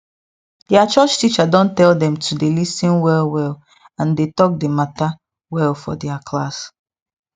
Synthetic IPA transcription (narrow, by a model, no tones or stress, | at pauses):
d̥ɛat͡ʃɔt͡ʃtit͡ʃadɔ̃ntɛldɛ̃mtʰudelisĩnwɛlwɛl | ãndetɔk̚demata | wɛlfɔ̰dɛakʰlas